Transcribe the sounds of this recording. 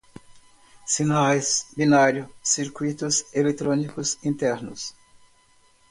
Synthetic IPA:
sinajsbinaɾjʊsiɾkwit̪ʊselet̪ɾõnikʊsĩnt̪ɛɾnʊs

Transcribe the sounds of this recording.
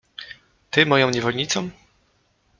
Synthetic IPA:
t̪ɘmɔjɔ̃w̃ɲɛvɔlɲit̪sɔ̃m

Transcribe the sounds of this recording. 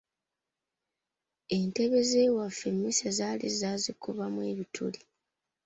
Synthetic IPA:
e̞nteβe̞zeːwafːe̞mːisezaːlizaːzikuβamwe̞ːβitʰṵli

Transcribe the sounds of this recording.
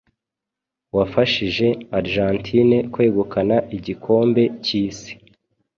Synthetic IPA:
wafaʃiʒe̞aɾʒantʰine̞kwe̞ːɡukʰanaʔiɟikʰo̞ːmbe̞ciːsi̥

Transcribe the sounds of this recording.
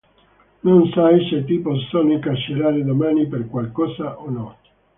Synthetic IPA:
nonsaiset̪iːposonoiŋkat͡ʃːeɾaːɾed̪omaːniperkwalkɔːsaʔonɔ

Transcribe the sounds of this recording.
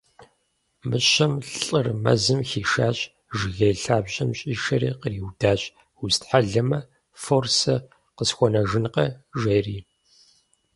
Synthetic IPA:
mɨɕɐmɬʼɨrmɐ̰zɨmxiːʃaːɕʼ | ʒɪɣɐjɬaːbʑɐmɕʼiːʃɐɾḭːqəriːwdaːɕʼ | ustħaɮɐmɐ | forsɐ | qəsxʷɔnɐʒɨnqɐʒɐriː

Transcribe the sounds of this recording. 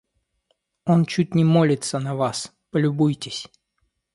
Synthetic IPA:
o̞nt͡ɕut̚ʲnʲɪmolʲɪt̪sənɐvas | pəlʲʊbujtʲɪsʲ

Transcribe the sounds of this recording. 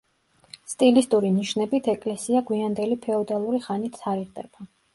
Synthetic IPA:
st̪ʼilist̪ʼuɾiniʃnɛbit̪ʰɛkʼlɛsiaɡwiand̪ɛlipʰɛɔd̪alˠuɾiχanit̪ʰaɾiʁd̪ɛb̥a

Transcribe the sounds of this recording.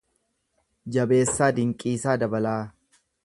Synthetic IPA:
d͡ʒɐbe̞ːsːaːd̪ɪŋkʼiːsaːd̪ɐbɐlaː

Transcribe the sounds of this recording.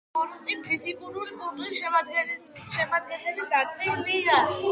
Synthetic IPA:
ɔɾt̪ʼimpʰizikʼuɾuɾikʼuɾt̪ʼiʃɛad̪ɡɛ | ʃɛmad̪̚ɡɛnɛliɡat̪sʼɛulia

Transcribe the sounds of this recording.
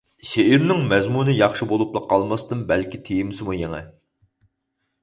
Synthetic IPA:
ʃeʔiɾnɪŋmɛzmunɨjɑχʃɨbolˠuplˠəqʰɑlˠmɑst̪ɨnbɛlkʲit̪ʰejimɪsɪmujeŋɛ̰

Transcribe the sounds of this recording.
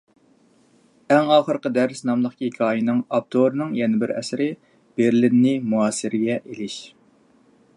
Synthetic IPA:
ɛŋɑːχəɾqəd̪æɾsnɑmlˠəχkʲikʲʰɑːjinɨŋɑp̚t̪ʰoɾnɨŋjɛnɪbɪɾɛ̰sɾɪ | b̥eɾlinːɪmuɑːsɨɾɪɡʲɛʔelɪʃ

